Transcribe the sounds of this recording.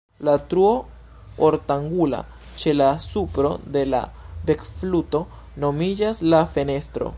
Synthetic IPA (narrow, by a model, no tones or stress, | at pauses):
latɾuo̞ | oɾtaŋɡula̰ | t͡ʃe̞lasupɾo̞de̞la̰be̞kfluto̞ | no̞mid͡ʒaslafe̞ne̞stɾo̞̰